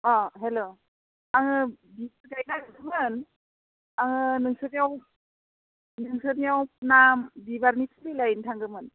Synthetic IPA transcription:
ɔɦelo | aŋɯbi | ɡajnaɡɯdɯmɯn | aŋɯnɯŋsɯnijaw | nɯŋsɯnijawnambibaɾnitʰlilajntʰaŋɡɯmɯn

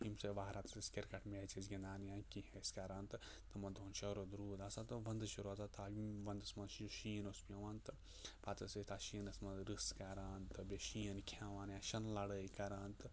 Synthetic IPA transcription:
imseʋaːɦɾaːt̪ɨsiskʲeɾkɐʈʰmeːt͡ʃezɡʲɐnd̪aːnjãːkiheskaɾaːnt̪ɨ | t̪ɨmɐnd̪ʱoːnʃɐɾod̪ɾuːd̪aːsat̪ɨʋɐnd̪ɨʃuɾzat̪aːiʋɐnd̪ɨsmɐnʃʃiːnospijɐ̃ʋaːnt̪ɨ | paːt̪ɐset̪ʰaːʃiːnɨsmɐd̪ɾɨskɐɾaːnt̪ɨbʲeʃiːɐnkʰaːʋaːnjãːʃɐnlɐɽəːikɐɾaːnt̪ɨ

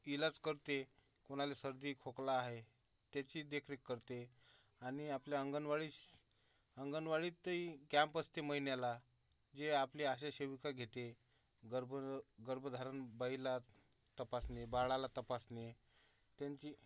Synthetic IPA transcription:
ilat͡skəɾt̪e | koɽ̃alesəɾd̪ʱiːkʰoklaːɦe | t̪jat͡ɕiːd̪ekʰɾikːəɾt̪e | aɽ̃iapljaəŋɡənʋaɭi | əŋɡənʋaɭiːt̪ːəikãmpəst̪eməɦinjala | d͡ʑeapliaɕaɕeʋikaɡʱet̪e | ɡəɾbɡəɾbʱd̪ʱaɾənbaila | t̪əpasnebaɭalat̪əpasne | t̪jaɲt͡ɕiː

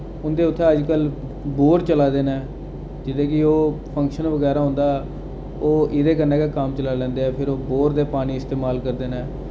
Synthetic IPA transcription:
ʊnd̪eːʊt̪ʰːẽːəd͡ʒkəl | boːɾt͡ʃəlaːd̪eːnaɛ | d͡ʒɪd̪eːkɪoːpʰə̃ŋkʃənʋəɡɛːɾaːɦʊ̃ːnd̪aːɛ | oːʔɪd̪eːkəɾneːkaːkamt͡ʃəlaːlɛ̃ːnd̪eːɛːpʰɪɾoːboːɾd̪eːpaːniːɪst̪eːmaːlkəɾd̪eːnaː

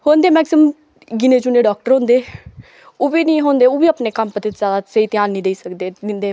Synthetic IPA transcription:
hoːnd̪eːmɛːksɪm | ɡɪneːd͡ʒuːneːɖɔːk̚ʈəɾɦõːnd̪eː | oːʋiːnĩːɦoːnd̪eːoːʋiːəpneːkəmpət̪et̪zjaːd̪asəiːt̪ɪjaːnːĩːd̪eiːsəkd̪eːd̪ɪnd̪eː

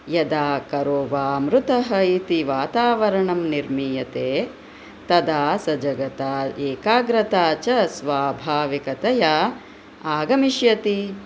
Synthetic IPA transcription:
jɐd̪aːkɐɾoːʋaːmɾut̪ɐɦɐit̪iʋaːt̪aːʋɐɾɐɳɐmniɾmiːjɐt̪eː | t̪ɐd̪aːsɐd͡ʒɐɡɐt̪aːeːkaːɡɾɐt̪aːt͡ʃɐsʋaːbʱaːʋikɐt̪ɐjaː | aːɡɐmiʃjɐt̪i

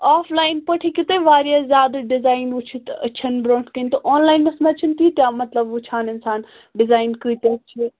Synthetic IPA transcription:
aːfʰlaːjnpɐʈʰikɪt̪ẽʋaːɾijazʲjaːd̪ɐɖɪzaːinʊt͡ʃʰit̪ɐ̰t͡ʃʰɐnbɾoːɳʈkənt̪ɐʔoːnlaːjinɐsmẽɐt͡ʃʰint̪it̪jaːmɐt̪ləbʊt͡ʃʰaːnɪnsaːn | ɖɪzaːɪnkəːt̪eɐt͡ʃʰi

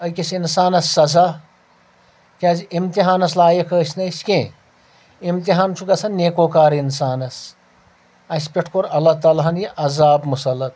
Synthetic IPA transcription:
ɐkʲisinsaːnɐsːɐza | kʲaːzimt̪iɦaːnɐslaːjɐkʰəːsnɐskẽ | imt̪iɦaːnt͡ʃʰuɡɐsʰɐneːkoːkaːɾinsaːnɐs | ɐsʲpʲeʈʰkoɾɐlːɐt̪aːlɦɐnjiʔɐzaːbmusɐlːɐt̪̚

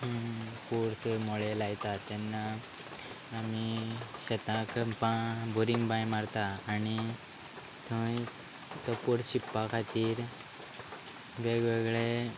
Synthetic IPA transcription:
kuɽsmoɭelajt̪at̪anːaː | miɕət̪ãkbabuɾĩŋɡbãjmaɾt̪aːni | t̪ʰə̃j | t̪ɔpuɽɕipːakʰat̪iːɾ | ʋeɡʋeɡɭe

